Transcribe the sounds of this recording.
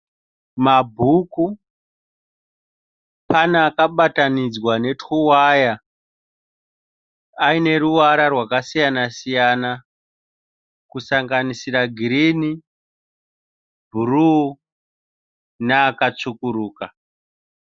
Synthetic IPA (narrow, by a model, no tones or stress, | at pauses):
mabʱuku | panaːkaɓatanid͡zwane̞tuwaja | aine̞ɾuwaɾarwakasijanasijana | kusaŋɡanisiraɡʱiɾini | bʱuru | naːkat͡ʂukuɾuːka